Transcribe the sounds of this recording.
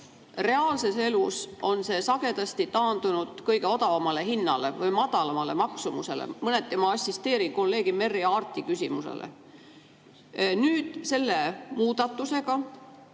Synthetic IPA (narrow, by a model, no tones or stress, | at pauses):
re̞ɑːlse̞se̞luso̞nse̞ːsɑɡ̥e̞d̪̥ɑst̪it̪ɑːnd̪̥unud̪̥kɤjɡe̞o̞d̪ɑvɑmɑle̞hinːɑle̞vɤjmɑd̪̥ɑlɑmɑle̞̰mɑksumuse̞̰lḛmɤne̞t̪ːemɑɑsʲːist̪e̞ːɾiko̞lːe̞ːɡ̥ime̞rːiɑːrt̪ːˑikysʲimusḛlḛ | nyːd̪̥se̞lːe̞muːd̪̥ɑt̪ˑːuse̞ɡɑ